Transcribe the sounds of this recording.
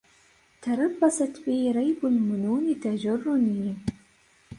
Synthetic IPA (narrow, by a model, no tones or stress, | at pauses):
t̪ʰɑɾˤɑbːɑsɑt̪biɾˤɑjbʊlmʊnuːnit̪ad͡ʒʊrːʊnij